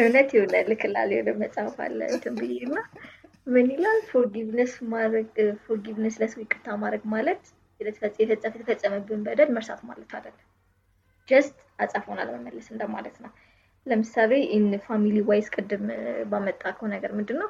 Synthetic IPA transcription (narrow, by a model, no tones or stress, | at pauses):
ɨnət̪jɪβɨlalːɨkʰɨla̰led̪əməsʼafa̰lːə̰t̪ʰɨmbɨjenːa | mɨnelalfoɡiβnəsmaɡfoɡiβnəsləswɪkʼːɨt̪ʰːamad̪ɾəɡmalət̪ | jɛd̪ət̪ʰəfət͡sʼːjɛfɨt͡sʼːəfjɛt̪ʰəfət͡sʼːəməbːɨnbəd̪əlməɾsa̰t̪ʰuma̰lət̪ʰa̰d̪əlːəm | d͡ʒəst̪ʼasʼafhona̰lməməlːəsɨnd̪əama̰lət̪nəw | ləmɨsaleʔɪnfamiliwajskʼɨd̪ːɨmbamət̪ʼːakʰəhonəɡəɾmɨnd̪ɨnːəw